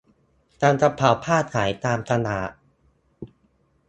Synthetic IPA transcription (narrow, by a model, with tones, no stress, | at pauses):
t̪aː˧mt̪a˧pʰaː˨˩˦wpʰaː˥˩t̪̚kʰaː˩˦jt̪aː˧mt̪ʰa˧naː˩˦